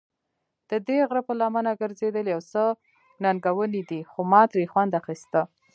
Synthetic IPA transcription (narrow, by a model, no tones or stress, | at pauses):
d̪̥əd̪eɣɾəpəlɑmanaɡəɾzed̪əljawsə | nanɡawənid̪ixomɑt̪ɾixwand̪axist̪a